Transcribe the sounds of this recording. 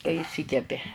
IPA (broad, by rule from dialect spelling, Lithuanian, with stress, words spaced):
kɐɪ ɪˈʃʲsʲiːkʲɛpʲɪ